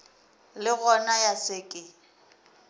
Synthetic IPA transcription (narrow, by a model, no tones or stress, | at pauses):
lɪɣɔnajasɪkʼɪ